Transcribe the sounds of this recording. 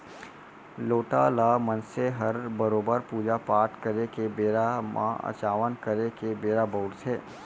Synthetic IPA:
loːʈalaːmənseɦɐɾbəɾoːbəɾpuːd͡ʒapaːʈkəɾekebeːɾamã̰ə̰t͡ʃaːʋənkəɾekebeːɾaboʊɽseː

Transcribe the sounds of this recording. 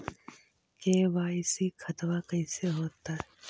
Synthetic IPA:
keːʋaːɪsikʰɐt̪ʋakɐ̃iseɦoːt̪aɦ

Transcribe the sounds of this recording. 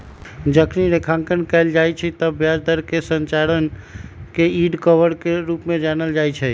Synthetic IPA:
d͡ʒəkʰniɾekʰãŋkənkəɪld͡ʒajt͡ʃʰɛt̪əbjad͡ʒd̪əɾkesənt͡ʃaɾənkeiɖkəbəɾkeɾupmẽd͡ʒanəld͡ʒajt͡ʃʰɛ

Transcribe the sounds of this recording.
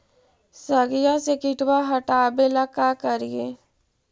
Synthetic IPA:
səɡijasekɪʈwaɦəʈaːbelakakəɾijeː

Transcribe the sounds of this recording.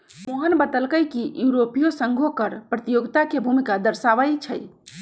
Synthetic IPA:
moɦənbət̪əlkəjkijuɾopijosəŋɡʱokəɾpɾət̪ijoɡt̪akebʱumikad̪əɾsaʋəjt͡ʃʰə̰j

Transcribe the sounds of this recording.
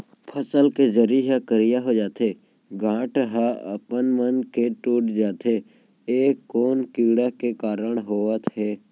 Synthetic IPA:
pʰəsəlkezəɾiɦakəɾɪjaɦod͡ʒaːt̪ʰe | ɡãːʈɦaə̰pənmənkeʈoːʈd͡ʒaːt̪ʰe | eːkːoːnkiːɽakekaːɾəɳɦoːət̪ɦɛː

